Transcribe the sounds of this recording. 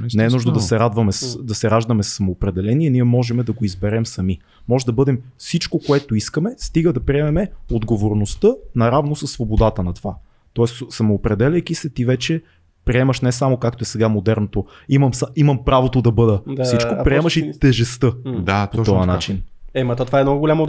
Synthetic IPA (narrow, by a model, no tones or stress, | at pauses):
nɛːnuʒnond̪ɐsɛɾad̪vɐmɛsd̪ɐsɛɾaʒd̪ɐmɛsːɐmoːpɾɛd̪ɛlɛniɛniɛmɔʒɛmɛd̪ɐɡoizbɛɾɛmsɐmi | mɔʒɛd̪ɐbɤd̪ɛmfsit͡ʃkokoɛt̪oiskəmɛst̪iɡəd̪ɐpɾiɛmɛmɛod̪ɡovoɾnost̪ɤnɐɾavnosɐsːvobod̪at̪ənɐt̪ova | t̪ɔɛssɐmoːpɾɛd̪ɛlʲəjkisɛt̪ivɛt͡ʃɛ | pɾiɛməʃnɛsamokak̚t̪oɛsɛɡamod̪ɛɾnot̪o | imɐmsaimɐmpɾavot̪od̪ɐbɤd̪əfsit͡ʃkkopɾiɛməʃit̪ɛʒɛst̪ɤapot̪ɔvanat͡ʃinɛmɐt̪ot̪ovaɛnɔɡolʲamo